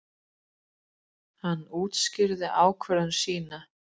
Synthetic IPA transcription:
hanːuːt̪scɪɾðɪʔaːwkʰvœɾðʏnsiːna

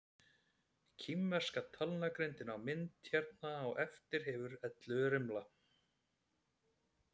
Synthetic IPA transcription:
cʰimːɛr̥skat̪ʰalnakɾent̪ɪnawmɪnt̪çɛɾt̪naːɣɛft̪ɪɾ̥ɦɛːvʏɾɛt̪lʏɾɪmla

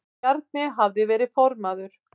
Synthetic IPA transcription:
aɾt̪̚nɪɦavðɪvɛːɾɪfɔɾmaðʏɾ̥

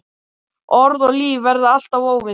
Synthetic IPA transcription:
ɔɾðɔɣliːvvːɛɾðaal̥t̪avoːwvɪ

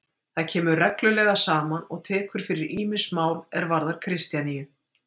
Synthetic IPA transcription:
θaðcʰɛːmʏrɛklʏlɛɣasaːmanɔɣt̪ʰɛːkʏɾ̥fɪɾɪɾiːmɪnsmaːwlɛɾvaɾðaɾ̥kʰɾɪst̪janijʏ

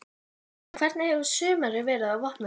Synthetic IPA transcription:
kʰv̥ɛɾt̪nɪhɛvʏ̥sʏːmaɾɪvɛːɾɪðawvɔhtna

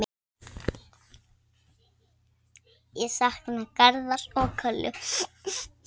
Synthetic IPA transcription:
jɛsahknakaɾðaɾɔːkʰœlʏ̰

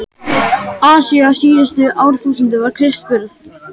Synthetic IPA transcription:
aːsiasiːʏst̪ʏʔaːwɾ̥θuːsənt̪ɪvaɾ̥kʰɾɪst̪pʏɾθ

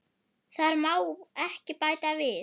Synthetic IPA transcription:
θaɾmaːwɛhcɪpaːjt̪avɪ

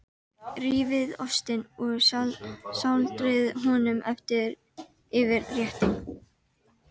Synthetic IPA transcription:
riːvɪðɔst̪ɪnɔɣsalsawlt̪ɾɪðɦɔnʏmʔɛft̪ɪɾ | ɪvɪɾrjɛht̪ɪŋ

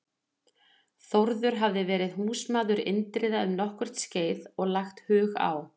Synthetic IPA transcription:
θowɾðʏɾɦavðɪvɛːɾɪðhuːsmaːðʏɾɪ̰nt̪ɾɪːðaʏmnɔhkvʏɾ̥t̪sceːjðɔɣlaxt̪hʏːɣa̰w

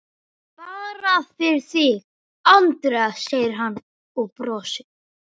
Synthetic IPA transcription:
paːɾafɪɾ̥θiɣ | ant̪ɾaseːjɾ̥ɦanː | ɔɣpɾɔːsɪ

